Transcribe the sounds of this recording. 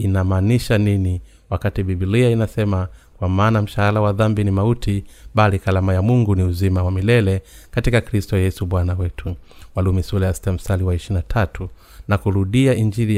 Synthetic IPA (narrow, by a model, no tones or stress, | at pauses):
inamaːniʃanini | wakatiɓibiliainasɛmakwamaːnam̩ʃahalawaðambinimautʰiɓalikalamajamuŋɡuniuzimawamilɛlɛkatikakɾistɔjɛsuɓwanawɛtʰuwalumisulajastam̩saliwaɛʃinatʰatʰu | nakuɾuɗiaʔiɲd͡ʒiɾi